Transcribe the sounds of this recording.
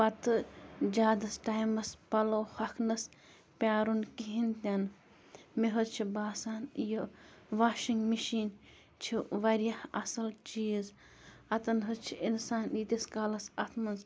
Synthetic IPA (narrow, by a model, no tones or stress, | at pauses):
ɐt̪ɨd͡ʒaːd̪ɐsʈaːjmɐspɐloːhɐkʰnɐs | pʲaːɾunkiɦint̪ʲɐn | miɦɨt͡ʃʰibaːsaːnjoʋaːʃiŋɡmiʃiːn | t͡ʃʰiʋɐɾjɐhɐ̰sɐlt͡ʃiːz | ɐt̪ɐnɦɨt͡ʃʰiinsaːnit̪iskaːlɐsɐt̪ʰmɐnz